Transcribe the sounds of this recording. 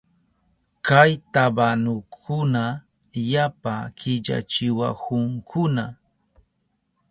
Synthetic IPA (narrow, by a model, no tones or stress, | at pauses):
kajt̪abanʊkʰʊna | japakɪʎa̰t͡ʃɪwa̰kʊŋkʰʊna